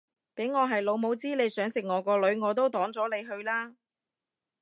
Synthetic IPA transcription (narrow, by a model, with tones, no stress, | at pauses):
pe˨˥jŋɔː˨˧ɦɐ˨jlo˨˧wmo˨˧wt͡siː˥le˨˧jsœː˨˥ŋsɪ˨k̚ŋɔː˨˧kɔː˧lɵ˨˧ɥŋɔː˨˧t̪o˥wt̪ɔː˨˥ŋt͡sɔː˨˥le˨˧jɦɵ˧ɥlaː˥